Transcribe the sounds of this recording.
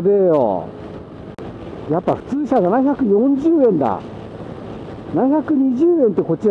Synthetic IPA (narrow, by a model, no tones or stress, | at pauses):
d̪ejo̰ | japːaɸɯ̟̥t͡sɨːɕananaçakɯ̟jõɲd͡ʑɨːẽ̞nd̪a̰ | naçʲakɯ̟ɲ̟iʑɨːẽ̞nt̪ːe̞ko̞t͡ɕːi